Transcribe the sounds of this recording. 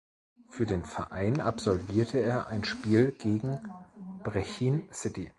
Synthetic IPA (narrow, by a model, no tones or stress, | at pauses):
fyːɐdeːnfɛɐʔaɪnapz̥ɔlviːɐtʰəeːɐʔa̰ɪnʃpiːlɡ̥eːɡŋ̩b̥ʁɛçiːnsɪti